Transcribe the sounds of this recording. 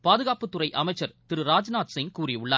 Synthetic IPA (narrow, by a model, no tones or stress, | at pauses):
paːðɯɣaːpɯt̪ːʊrɐɪʔɐmɐɪt͡ʃːɐɾt̪ɪɾɯɾaːd͡ʒnaːt̪sɪŋkuːriʊɭːa̰